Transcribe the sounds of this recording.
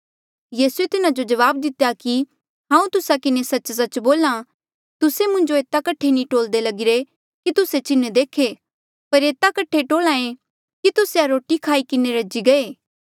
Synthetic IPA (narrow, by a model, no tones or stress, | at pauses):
jiːsuet̪ɪnad͡ʒod͡ʒɐʋaːbd̪ɪt̪ejaki | ɦãːũt̪ʊsakɪnesɐt͡ʃsɐt͡ʃboːla | t̪ʊsemʊ̃ɲd͡ʒoeːt̪akɐʈʰːenĩʈoːld̪elɐɡɪɾe | kit̪ʊset͡ʃɪned̪eːkʰe | pɐɾeːt̪akɐʈʰːeʈoːlãːẽ | kit̪ʊseaɾoːʈikʰaːikɪneɾɐd͡ʒiɡɐeː